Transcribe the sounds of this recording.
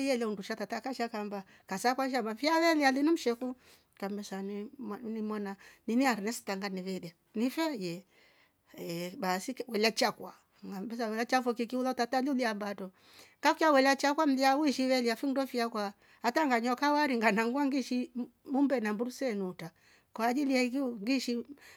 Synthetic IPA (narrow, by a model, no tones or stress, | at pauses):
jɛlɛunduʃatatakaʃakamba | kasakwaʃ̬amafiawɛlialinum̩ʃɛku | kambɛsaninimwananiniaɾinɛsi̥taŋɡaniβɛlia | nifɛjɛ | ɛbasikwɛlat͡ʃakwa | ŋɡambɛs̬awɛlat͡ʃafɔkikiulatataluliambatɔ | ŋɡakiawɛlat͡ʃakwam̩liawuiʃiwɛliafindɔfiakwa | ataŋɡaɲɔkawaɾiŋɡanaŋɡuaŋɡiʃimumbɛnambuɾusɛnuta | kwaːd͡ʒilijaikiŋɡiʃi